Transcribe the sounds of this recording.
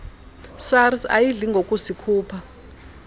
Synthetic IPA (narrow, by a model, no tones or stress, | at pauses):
sarisa̰jiɮiŋɡʱokʼusikʰuːpʰa